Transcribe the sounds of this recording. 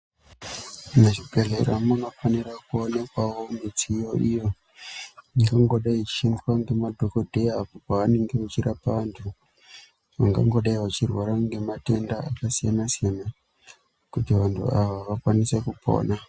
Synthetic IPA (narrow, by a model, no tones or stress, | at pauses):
neʐibʱe̞ɮe̞̰ɾamuno̞faniɾakuone̞kwawo̞mit͡sijo̞ʔijo̞ | iŋɡaŋɡo̞ɗait͡ʃi̥ʃendrwaŋɡe̞madʱoko̞dʱe̞japopaʋane̞ŋɡe̞ʋat͡ʃiɾapaʋantʰu | ʋaŋɡa̰ŋɡo̞ɗaiwat͡ʃirwaɾaŋɡe̞mate̞ndaakasijanasijana | kutiʋantʰṵaʋaʋakwanise̞kupo̞̰ːna